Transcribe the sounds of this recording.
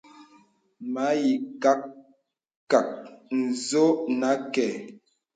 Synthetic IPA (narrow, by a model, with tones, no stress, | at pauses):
ma˨˦ji˨ka˦k | kːa˨k̚n̩˨zo˦na˨˦kɛ˨